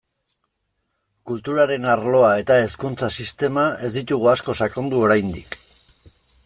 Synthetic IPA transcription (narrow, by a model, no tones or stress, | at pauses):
kult̪uɾaɾe̞naɾlo̞ae̞t̪ae̞skunt͡sasist̪e̞mae̞zd̪it̪uɣ̞uasko̞sako̞nd̪uo̞ɾajnd̪ik